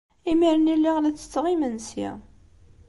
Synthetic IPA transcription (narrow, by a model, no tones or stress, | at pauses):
imiɾənilːiʁlæt͡sːə̥t͡sːʁimənsḭ